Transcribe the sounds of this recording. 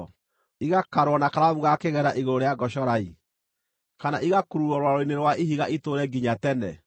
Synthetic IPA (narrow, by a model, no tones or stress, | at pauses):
iɣakaɾwɔnakaɾaβuɣakeɣɛɾaʔiɣoɾoɾejaɡɔʃɔɾaḭ | kanaʔiɣakuɾuɾɔɾwaɾoineɾwaiɦiɣaʔitoɾɛɡiɲatɛnɛ